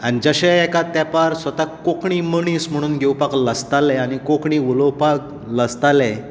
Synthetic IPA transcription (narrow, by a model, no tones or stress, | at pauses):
añid͡zəɕeɛkat̪ːjapaɾsʋət̪akokɳiːməɳiːsm̤əɽ̃uːnɡʱewpakləst̪alɛañikokɳiʋuləwpak̚ | ləst̪alɛ